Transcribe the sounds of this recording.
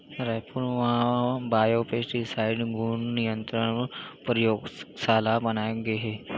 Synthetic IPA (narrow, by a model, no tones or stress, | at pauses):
ɾɛɦpuːɾnʋɐɦãbaːjopesʈisaːɪɖɡuɳnɪjə̃nt̪ɾəɳpɾəjoːɡsaːlabɐnaːeɡeɦɛː